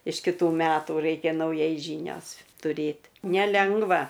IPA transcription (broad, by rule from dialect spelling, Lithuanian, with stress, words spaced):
ɪʃ kʲɪˈtuː ˈmʲæːtuː ˈrɐɪkʲɛ nɐʊˈjɛɪ ˈʒʲiːnʲoːs tʊˈrʲeːt nʲɛˈlʲɛŋɡʋɐ